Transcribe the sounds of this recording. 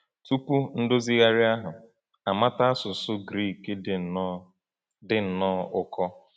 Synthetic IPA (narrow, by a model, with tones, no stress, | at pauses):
tu˦pu˦n̩˦do˦zi˦ɣa˦ɾɪ˦a˦ɦʊ˨ | a˨ma˦ta˦a˦sʊ˨sʊ˦ɡɾi˦˨ke˦dɪ˨˦ | dɪ˨n̩˨nɔ˦ʊ˦˨kɔ˦